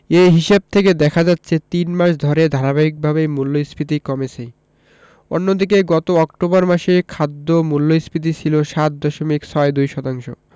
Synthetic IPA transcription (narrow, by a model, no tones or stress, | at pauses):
eɦiʃeb̚t̪ʰeked̪ɛkʰad͡ʑat̪ːɕʰet̪inmaʃd̪ʱɔɾed̪ʱaɾabaik̚bʱabemulːojspit̪̬ikɔmet͡ɕʰej | o̰nːod̪ik̬eɡɔt̪oɔk̚ʈobaɾmaʃekʰad̪ːomulːojspit̪̬it͡ɕʰiloʃat̪̚d̪ɔʃomiksʰɔed̪ujʃɔt̪aŋʃo̰